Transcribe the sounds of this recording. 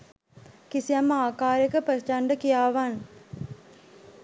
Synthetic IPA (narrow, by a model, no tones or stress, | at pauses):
kisijɐmaːkaːɾjɐkəpəst͡ʃaɳɖəkijaːʋan